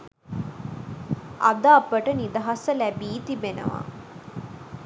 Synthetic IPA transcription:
a̰d̪əapəʈənid̪ɐɦasəlæbiːt̪ibenə̰ʋa̰

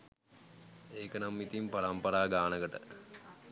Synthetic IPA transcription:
eːkənamːit̪impɐɾɐmpɐɾaːɡaːnəɡəʈə̰

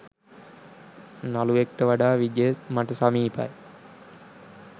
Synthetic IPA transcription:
naluek̚ʈəʋaɖaːʋid͡ʒemaʈəsamiːpa̰j

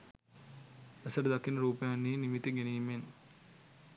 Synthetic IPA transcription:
esɐʈəd̪ɐkːinəɾuːpɐjanːiːnimit̪ːiɡenijmen

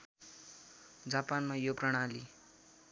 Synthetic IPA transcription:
d͡zapanmajoprʌɽ̃ali

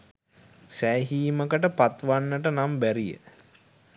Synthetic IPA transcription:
sæːɦiːməkəʈəpat̪ʋanːəʈənambæɾijə̰

